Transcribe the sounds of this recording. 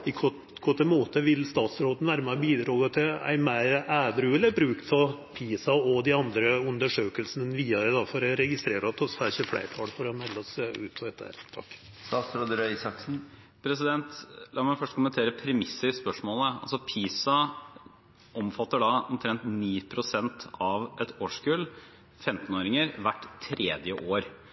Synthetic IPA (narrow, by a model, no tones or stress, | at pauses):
ɪkʰɔt | kʰɔt̪ːəmoːt̪əʋɪlst̪ɑːt̪sɾoːd̪ən̩ʋæːɾəmæbiːd̪ɾɑːɡɑt̪ʰɪæ̰ɪmæɪɾæːd̪ɾʉːlæbɾʉːkt̪sʰɔpʰiːsɑɔd̪ɪɑnd̪ɾəʉnd̪əʂøːkəlsnənʋiːɑɾəd̪ɑfɔɾɛɾɛɡɪst̪ɾeːɾɔt̪ʰɔsæɕəflæ̰ɪʈʰɑːlfɔɾɔmɛlːɔsʉ̰ːt̪ʰɔɛt̪ːəæ̰ɾt̪ʰɑ̰kː | sɑːsɾɔd̪ɾœʏsɑksn̩ | pʰɾɛsɪd̪ɛnt̪lɑːɾmæɪfœʂʈkʰʊmənt̪ʰeːɾəpʰɾɛmɪsːəɾɪspœʂmoːləɑ̰lsɔpʰiːsɑ | ʔɔmfɑt̪ːəɖɑɔmt̪ʰɾɛnt̪niːpʰɾʊsɛnt̪ʰɑʋʔɛt̪oːʂkʉl | fɛmt̪noːɾɪŋəɾʋæʈːt̪ʰːɾeːd̪jəʔoːɾ